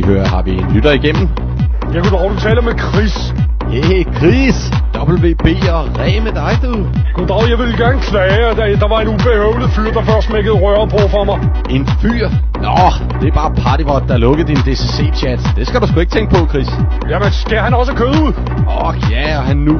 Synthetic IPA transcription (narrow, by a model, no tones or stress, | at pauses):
høːɐɐhɑ̈ʋienlyɾ̥ɐiɡ̥em̰m̩ | jæɡ̥ud̥ʁɑʊd̥ut͡sʰɛːləɒ̽mekʰʁis | jekʰʁis | d̥ɒb̥l̩ʋe̝̰ːb̥e̝̰ːɒʁɛ̰ːmed̥ɑ̈ɪd̥uðˠɡ̥ud̥ʁɑʊjɑ̈ɪʋe̝lɡ̥æɐnəkʰlɛːɪd̥æd̥ɑ̈ʋɑ̈e̝nub̥e̝heʊlifyɐ̰d̥ɑ̈fɶɐsmeɡ̥əð̩ˠʁɶɐpʰɔ̽fɒmɑ̈ɪ | e̝nfy̰ːɐ̰ | nɒ | d̥e̝æb̥ɑ̈ːpʰɑ̈ːd̥ibɒd̥̚ːɑælɔ̽ɡ̥əð̩ˠd̥ind̥e̝sese̝̰ːɕʰæd̥d̥e̝sɡ̥æd̥usɡ̥ueɡ̥t͡sʰeŋɡ̥̚pʰɒ̽kʰʁḭs | jæmensɡ̥æhænɒ̽səkʰøðˠuð̰ˠ | ɒɡ̥jæɒhænːu